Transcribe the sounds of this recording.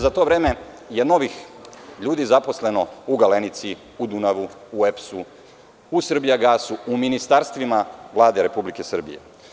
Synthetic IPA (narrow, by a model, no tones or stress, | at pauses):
zat̪o̞ːʋɾeːme̞ | jeno̞ʋixʎuːd̪izapo̞sle̞no̞uɡalenit̪si | ud̪unaʋuuepsu | usr̩bijaɡaːsuuminist̪aɾst̪ʋimaʋlˠaːd̪eɾe̞publike̞sr̩bḭjḛ